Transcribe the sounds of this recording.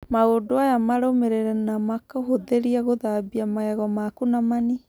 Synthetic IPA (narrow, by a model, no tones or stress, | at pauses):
maɣodoajamaɾomeɾeɾɛnamakɔhoðeɾiaɣoðabiamaɣɛɣɔmakunamani